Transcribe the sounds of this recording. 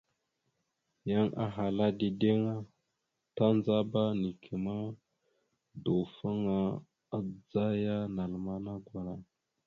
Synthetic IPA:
ja˦ŋa̰˦ɦa˨la˦di˨de˦ŋa˦ | ta˦nd͡za˦ba˦ni˨kʰi˨ma˦ | do˨fa˦ŋa˦ | a˦d͡za˦ja˦na˨lma˦na˦ɡwa˨ɾa˨

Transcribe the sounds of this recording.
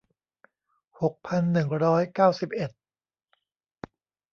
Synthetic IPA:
ho˨˩k̚pʰa˧nːɯ˨˩ŋɾɔː˦˥jkaː˥˩wsi˨˩p̚ʔe˨˩t̪̚

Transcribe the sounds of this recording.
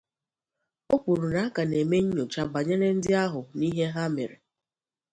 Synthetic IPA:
o˦k͡pʷu˨ɾu˨na˨˦ka˨ne˨me˦ɲ̩˦ɲo˨t͡ʃa˦ba˨ɲe˦ɾe˦n̩˦dɪ˦a˦ɦʊ˨ni˦ɦe˦ɦa˦mḛ˨ɾḛ˨

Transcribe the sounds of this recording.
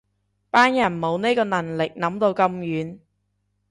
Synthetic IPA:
paː˥njɐ˨˩nmo˨˧wne˥kɔː˧nɐ˨˩nlɪ˨k̚nɐ˨˥mt̪o˧wkɐ˧mjyː˨˥n

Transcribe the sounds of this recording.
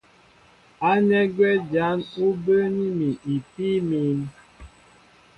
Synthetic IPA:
a˦nɛ˦ɡɛ˦d͡ʒa˨˦nu˦bə˦ni˦mi˨ʔi˨piː˦mi˨˦m˦

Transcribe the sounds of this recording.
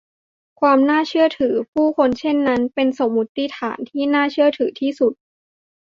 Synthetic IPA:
kʰwaː˧mnaː˥˩t͡ɕʰɯ˥˩ɐt̪ʰɯː˩˦pʰuː˥˩kʰo˧nt͡ɕʰe˥˩nːa˦˥npe˧nso˨˩˦mːu˦˥t̪ːi˦˥t̪ʰa̰ː˩˦nt̪ʰiː˥˩naː˥˩t͡ɕʰɯ˥˩ɐt̪ʰɯː˩˦t̪ʰiː˥˩su˨˩t̪̚

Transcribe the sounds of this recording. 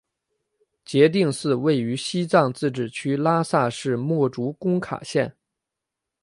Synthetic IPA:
t͡ɕjɛ˧˥t̪̬i˥˧ŋsɹ̩˥˧we˥˩ɪy˧˥ɕi˥t͡sɑ˥˧ŋt͡sɹ̩˥˩ʈ͡ʂɻ̩˨˩t͡ɕʰy˥la˥sa˥˧ʂɻ̩˥˧mwɔ˥˩ʈ͡ʂu˧˥kʊ˥ŋkʰa̰˨˩ɕjɛ˥˩n

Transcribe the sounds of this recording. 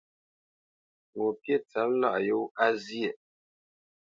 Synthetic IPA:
wo˨pje˦˨t͡sa˨˦m˦la̰˦˨ʔjo˦a˦zi˦e˨

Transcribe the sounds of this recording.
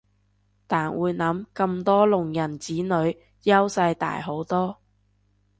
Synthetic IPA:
t̪aː˨˩nwuː˨˧jnɐ˨˥mkɐ˧mt̪ɔː˥lʊ˨˩ŋjɐ˨˩nt͡siː˨˥nɵ˨˧ɥ | jɐ˥wsɐ˧jt̪a̰ː˨jɦo˨˥wt̪ɔː˥

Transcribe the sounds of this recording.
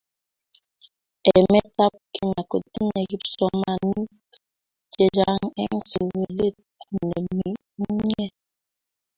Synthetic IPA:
ɛ˨mɛ˦ta˦p̚ki˦ma˨ko˨ti˦ne˨ɣi˦p̚sɔ˦ma˨ni˦ | t͡ʃe˦d͡ʒa˦ŋɛ̰˦ŋ˨so˨we˨le˦˨t | nḛ˨mi˦ | ɲɛ˦˨

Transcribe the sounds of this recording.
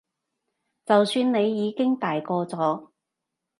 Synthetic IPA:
t͡sɐ˨wsyː˧nne˨˧jːiː˨˧kɪ˥ŋt̪aː˨jkɔː˧t͡sɔː˨˥

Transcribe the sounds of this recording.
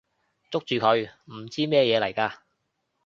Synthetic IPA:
t͡sʊ˥k̚t͡ʃyː˨kʰɵ˨˧ɥm̩˨˩t͡siː˥mɛː˥jɛː˨˧lɐ˨˩jkaː˧

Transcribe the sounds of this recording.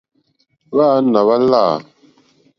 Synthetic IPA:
βa˦na˨βa˦la˦˨

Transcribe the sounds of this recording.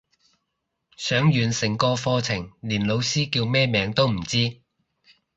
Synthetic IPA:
sœː˨˥ŋjyː˨nsɪ˨˩ŋkɔː˧fɔː˧t͡sʰɪ˨˩ŋliː˨˩nlo˨˧wsiː˥kiː˧wmɛː˥mɛː˨˧ŋt̪o˥wm̩˨˩t͡siː˥

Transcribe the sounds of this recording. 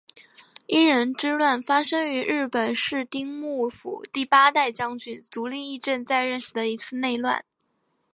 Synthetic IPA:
i˥ɻə˧˥nʈ͡ʂɻ̩˥lwa˥˩nfa˥ʂɤ˥ŋy˧˥ɻɻ̩˥˩pə˨˩nʂɻ̩˥˩t̪i˥ŋmu˥˩fṵ˨˩t̪i˥˩pa˥t̪a˥˩ɪt͡ɕjɑ˥ŋt͡ɕy˨˩nt͡su˧˥li˥˧i˥˧ʈ͡ʂə˥˧nt͡sa˥˧ɪɻə˥˩nʂɻ̩˨˩d̪ə˦i˧˥t͡sʰɹ̩˥˧ne˥˧ɪlwa̰˥˩n

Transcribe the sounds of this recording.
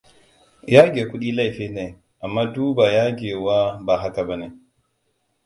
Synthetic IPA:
ja˦ɡʲe˨kʷu˦ɗi˦la˦˨fe˦ne˨ | ʔa˨mːa˦duː˦ba˨ja˦ɡe˨wa˦ba˨ɦa˦ka˨ba˦na˨

